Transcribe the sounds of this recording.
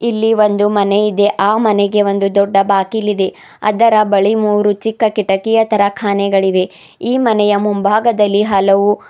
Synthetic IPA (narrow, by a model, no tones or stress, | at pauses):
ilːiʋo̞nd̪umɐnejid̪e̞ʔaːmɐnɛɡe̞ʋo̞nd̪ud̪ɔɖːɐbaːkilːid̪e̞ | ɐ̰d̪ɐɾɐbɐɭimuːɾut͡ʃikːɐkiʈɐkijɐt̪ɐɾɐkʰaːnɛɡɐɭiʋe̞ | iːmɐnɛjɐmumbʱaːɡɐd̪ɐlːiɦɐlɐʋu